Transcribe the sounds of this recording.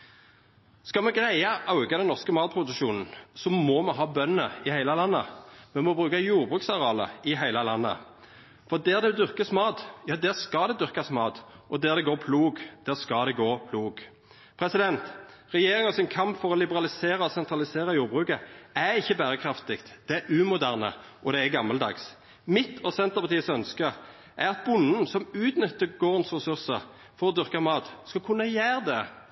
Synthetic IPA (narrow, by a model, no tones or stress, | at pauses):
skɑmɛɡʁæɪəʔɑʉɡɑd̪ɛnɔʁskəmɑːt̪̚pʰɾʊd̪ʉʃuːnn̩sɔmɔmɛɦɑːbœnəɪhæɪləlɑnːə̰mɛmɔbʁʉːkɑjuːʁbʁʉːksɑɾɑːlə̰ɪɦæɪləlɑnːə̰ | fɔʁd̪æːʁd̪ɛd̪ʉʁkəsmɑːt̪jɑːd̪æːʁskɑd̪ɛd̪ʉʁkɑsmɑːt̪ʔɔd̪æːʁd̪ɛɡoːʁpʰluːɡd̪̥æːʁskɑd̪ɛɡoːpʰluːɡ | pʰɾɛsɪd̪ɛnt̪ʁɛjeːʁɪŋɔsɪŋkʰɑmpfɔʁɔlɪbəʁɑlɪseːɾɑɔsɛnt̪ɾɑlɪseːɾʁɑjuːɾbʁʉːkəæɾɪçːəbæːɾəkʰɾɑft̪ɪkt̪d̪̥ɛæɾʉːmʊd̪æʁnə̰ | ʔɔd̪ɛæɡɑmːəld̪ɑ̰ːɡs | mɪt̪ʰɔsɛnt̪əʁpʰɑʁt̪iːəsœnskə | ʔæɾɑt̪̚bʊnːənsɔmʉːt̪nʏt̪ːəɡoːʁənsʁɛsʉʁsə | fɔɾɔd̪ʏʁkɑmɑːt̪skɑkʰʉnːəjæːʁd̪ɛ